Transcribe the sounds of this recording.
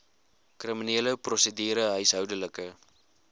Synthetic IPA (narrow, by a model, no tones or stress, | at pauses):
kriminiːləprosədiːɾəɦœɥsɦœwdələkə